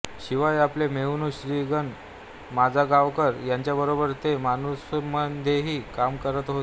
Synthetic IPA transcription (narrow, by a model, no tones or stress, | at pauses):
ɕiʋajaplemeunuɕɾiɡən | mad͡zʱaɡaʋkəɾjaɲt͡ɕjabəɾobəɾt̪emanusməd̪ʱjeɦiːkamkəɾət̪ɦot̪